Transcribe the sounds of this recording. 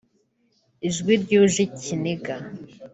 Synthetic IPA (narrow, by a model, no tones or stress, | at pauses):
iʒɡwiɾɟuːʒicʰiniɡa